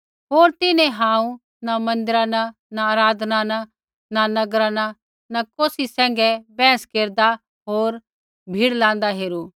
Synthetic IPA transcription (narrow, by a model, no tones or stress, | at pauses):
ɦoːɾt̪ɪnɛ̃ɦãːũ | namɐ̃nd̪ɪɾana | naaːɾaːd̪ʱnana | nanɐɡɾaːna | nakoːsisɛ̃ːŋɡɛbɛ̃ːskeːɾd̪a | ɦoːɾ | bʱiːɽlãːn̆d̪aɦeːɾu